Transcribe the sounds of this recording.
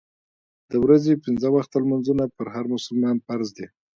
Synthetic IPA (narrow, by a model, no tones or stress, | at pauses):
d̪̥əwɾazepɪnzəwaxt̪almanzunapəɾɦaɾmʊsʊlmɑnfaɾzd̪e